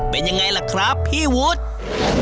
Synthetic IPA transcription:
pe˧nja˧ŋːa˧jla˨˧˩kʰɾa˦˥pʰːiː˥˩wu˦˥t̪̚

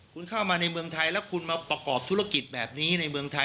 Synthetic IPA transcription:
kʰu˧nkʰaː˥˩wmaː˧na˧jmɯ˧əŋt̪ʰa˧jlɛ˦˥wkʰu˧nmaː˧pɾa˧kɔː˨˩p̚t̪ʰu˦˥a˧ki˨˩t̪̚bɛː˨˩p̚niː˦˥na˧jmɯ˧əŋt̪ʰa˧j

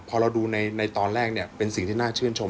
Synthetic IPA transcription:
pʰɔː˧ɾa˧wduː˧na˧jna˧jt̪ɔː˧nɾɛː˥˩k̚ni˥˩ɐpe˧nsi˨˩ŋt̪ʰiː˥˩naː˥˩t͡ɕʰɯ˥˩ənt͡ɕʰo˧m

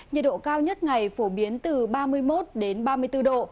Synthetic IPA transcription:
ɲə˨˩t̚ɗo̰˧˨kaː˧wɲə˦˥t̚ŋa˨˩jfo˧˩ɓi˨˦ənt̪ɨ˨˩ɓaː˧mɨ˧əjmo˦˥t̚ɗe˨˦nɓaː˧mɨ˧əjt̪ɨ˧ɗo̰˧˨

